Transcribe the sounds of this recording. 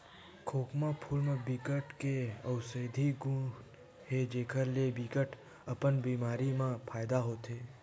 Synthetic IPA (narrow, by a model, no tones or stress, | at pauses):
kʰokmãpʰulmãbikəʈkeəwsəd̪ʱiɡũ | hed͡ʒekʰəɾlebikəʈʰ | əpəɳbimaɾimãpʰajd̪aɦot̪ʰe